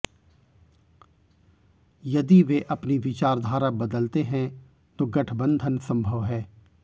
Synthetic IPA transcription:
jɐd̪iʋeʔɐpniʋɪt͡ʃaːɾd̪ʱaːɾabɐd̪əlt̪eɦɛ̃ | t̪oɡɐʈʰbə̃nd̪ʱənsɐ̃mbʱəʋɦɛː

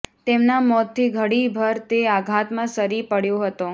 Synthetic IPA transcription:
t̪emnamɔt̪ʰːiɡʱəɽibʱəɾt̪eaɡʱat̪mãsəɾipəɽjõɦət̪o

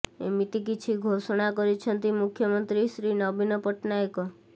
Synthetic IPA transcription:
ḛmit̪ik̬it͡ʃʰiɡʱosɔɽ̃akɔɾit͡ʃʰɔnt̪imukʰjɔmɔnt̪ɾisɾinɔbinɔpɔʈʰnajkɔ

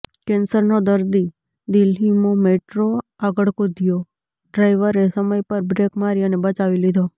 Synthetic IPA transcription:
kɛnsəɾnod̪əɾd̪i | d̪ilɦimomeʈɾoaɡəɭkod̪ʱijo | ɖɾajʋəɾesəməjpəɾbɾekmaɾiənebət͡ʃaʋilid̪ʱo

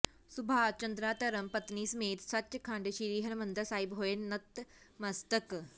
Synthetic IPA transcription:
subʱat͡ɕənd̪ɾaːt̪əɾəmpət̪niːsmeːt̪sat̪ɕəkʰãɳɖɕiɾiːɦənmənd̪əsaɦibɦojenːət̪mɐst̪ək

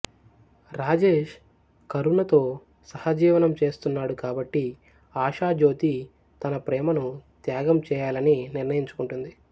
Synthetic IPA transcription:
ɾaːd͡ʒeːʃ | kɐɾuɳɐt̪o̞ː | sɐhɐd͡ʒiːʋɐnɐmt͡ʃe̞ːst̪unːaːɽukaːbɐʈːi | aːʃaːd͡ʒo̞ːt̪i | t̪ɐnɐpɾɛːmɐnut̪jaːɡɐmt͡ʃɛːjaːlɐniniɾnɐjiɲt͡ʃu̥kuɳʈund̪i

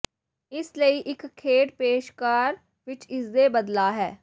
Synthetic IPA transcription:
ɪsləiːʔɪkʰːeːʈpeːʃkaːɾ | ʋɪt͡ʃɪsd̪eːbəd̪laːɦɛː

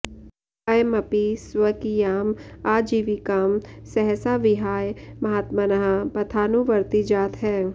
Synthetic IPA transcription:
ɐjmɐpiswəkijaːmaːd͡ʒiːʋikaːmsɛɦɛsaʋɪɦaːjmɐɦaːt̪manɐɦapɐt̪ʰaːnuʋɐɾt̪id͡ʒaːt̪ɦɛː

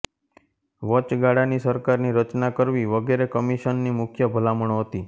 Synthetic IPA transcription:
ʋət͡ʃɡaɽanisəɾkaɾniɾət͡ʃnakəɾʋiʋəɡeɾekəmiʃənːimʊkʰjəbʱəlaməɳ̃oɦət̪i

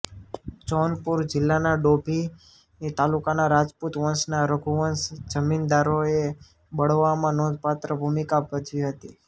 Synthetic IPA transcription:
d͡ʒɔnpuɾd͡ʒɪlːanaɖobʱi | nit̪alukanaɾad͡ʒput̪ʋənsnaɾəɡʱuʋənsd͡ʒəmind̪aɾoe | bəɽ̤ʋamãnɔd̪ʱpat̪ɾəbʱumikabəd͡ʒʋiɦət̪i

